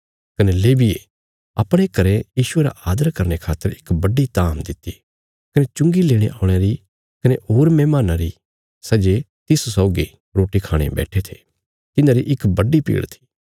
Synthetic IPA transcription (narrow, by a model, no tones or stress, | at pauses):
kɐneleːbiḛ | ɐ̰pɽ̃ekɐɾejiːʃʊeːɾa̰ʔaːd̪əɾkɐɾñekʰaːt̪ːəɾɪkbɐɖːit̪aːmd̪ɪt̪ːi | kɐnet͡ʃʊ̃ŋɡileːɽ̃eʔaːʊɽ̃eɾi | kɐneoːɾmɛːmaːnaɾi | sɐd͡ʒe | t̪ɪssɔːɡi | ɾoːʈikʰaːɽ̃ḛbɛ̰ːʈʰet̪ʰe̥̰ː | t̪ɪnãːɾiʔɪkbɐɖipḭːɽt̪ʰi̥ː